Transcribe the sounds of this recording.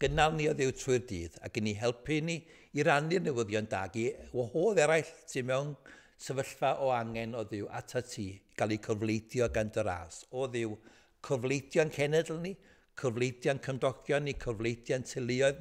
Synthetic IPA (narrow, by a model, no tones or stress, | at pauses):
ɡ̥ənalˠniɔðɪwtʰrʊɨrdḭːða̰ɡ̥ɪniɦɛlˠpʰɨniː | ɾanɨrnɪwəðjɔnda̰ɡiwɔhoːðɛɾajɬtʰɪmɛwn | səvəɬvaʔɔaŋɛnɔðɪwʔa̰tʰatʰiːɡ̥alˠikʰɔvlˠejdjɔɡandəɾa̰ːsɔðɪw | kʰɔvlejdjɔnkʰɛnɛdl̩ˠni | kʰɔvlˠejdjankʰəmdɔɡʰjɔnikʰəvlˠejdjantʰɪlˠɪɔɨð